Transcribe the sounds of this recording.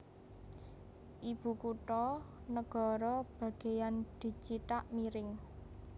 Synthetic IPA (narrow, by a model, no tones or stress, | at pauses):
ʔib̥ṳkuʈɔ | nəɡ̥ɔ̤ɾɔb̥ä̤ɡ̥e̤jand̪̥i̤t͡ʃit̪aʔmiɾɪŋ